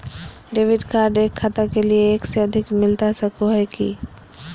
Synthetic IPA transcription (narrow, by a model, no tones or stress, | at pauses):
ɖeːʋɪɖkaːɾɖeːkʰːat̪akelieːkseɐd̪ʱɪkmɪlt̪asɐkʰoɦɛkḭ